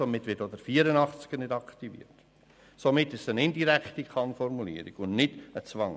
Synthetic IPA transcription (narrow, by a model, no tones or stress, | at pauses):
omɪtʋɪtodəɾfiːəɾənɑχt͡sɡ̥ənɪdɑktivḭːət | somɪtːɪʃsənɪndiɾæktikʰɑnfɔɾmulḭːɾḭɡ̥ʊnnɪdət͡sʋɑŋ